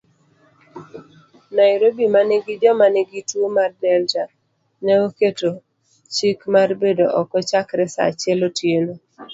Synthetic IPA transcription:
naɪɾobimanɛɡɪdɔmanɛɡitwomardɛlta | nɛwoketo | t͡ʃikmarbedoʔɔkɔt͡ʃakɾɛsa̰t͡ʃɛlotjeno

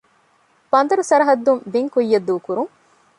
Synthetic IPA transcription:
bɐnd̪ɐɾusɐɾɐɦɐd̪ːumbiŋkujːɐd̪ːuːkuɾuŋ

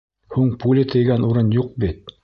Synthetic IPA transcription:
huɴpulʲɪt̪ʰɤ̆jɡænuɾɤnjuq̚bit̪̚

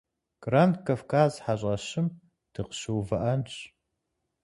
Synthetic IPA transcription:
ɡ̥rantkʰafkʰaːzħaɕ̬ʼɐɕɪm | d̥ɨqə̥ʃɨwvɐʔɐnɕ

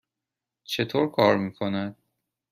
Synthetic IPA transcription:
t͡ʃʰe̞t̪ʰoːɾkʰɒːɾmiːkʰo̞næd̪̥̚

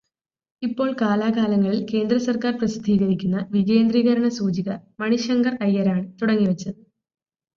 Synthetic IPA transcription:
ipːo̞ːɭkaːlaːkaːlɐŋːɐɭilke̞ːnd̪ɾɐsɐrkaːrprɐsid̪ʱiːɣɐɾikʲːunːɐʋiɣe̞ːnd̪riːɣɐɾɐɳɐsuːt͡ɕiɣɐmɐɳiʂɐŋɡɐrɐjːɐɾaːɳɨt̪uɽɐŋːiʋɐt͡ɕːɐɨ

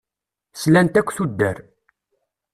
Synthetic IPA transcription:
slænt̪ækʷːθud̪ːæɾ

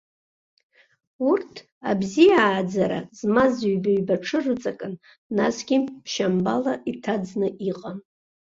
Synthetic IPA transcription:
urtʰ | a̰bzijaːd͡zaɾa̰zmazɥbaɥbaʈ͡ʂʰɨrɨt͡sʼakʼɨnː | asɡʲipʰʃambalaʔitʰad͡znɨʔiqʼan

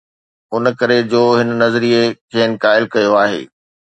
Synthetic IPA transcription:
ʊnkɐɾed͡ʑoːɦɪnnɐzɾiekʰeːnɪ̆kaːɪlkɐjoaːɦḛː

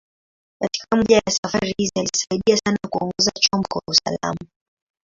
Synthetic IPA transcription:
kati̥kam̩ʄajasafaɾihizialisaiɗiasanakuɔŋɡɔzat͡ʃɔmkɔwausa̰la̰ma

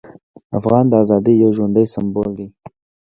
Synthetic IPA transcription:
afɣɑnd̪əɑzɑd̪ijawʒwand̪əjsambold̪i

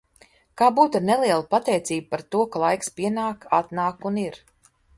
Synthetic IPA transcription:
kaːbuːt̪aɾnelˠiɛlˠapat̪ɛjt̪siːb̚paɾt̪uɔkalˠajkspiɛnaːkat̪naːkuniɾ

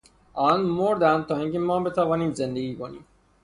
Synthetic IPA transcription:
ʔɒːnmoɾd̪ænd̪̚t̪ʰɒːiːŋcemɒːbe̞t̪ʰævɒːniːmzend̪eɡiːkonḭːm

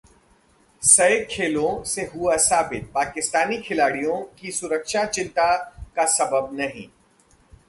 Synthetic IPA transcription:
sɐjkʰːeːlõseɦuasaːbɪt̪̚paːkɪst̪aːnikʰɪlaːɽijõkisʊɾəkʃat͡ʃɪ̃nt̪akasɐbəb̚nɐɦḭ̃ː

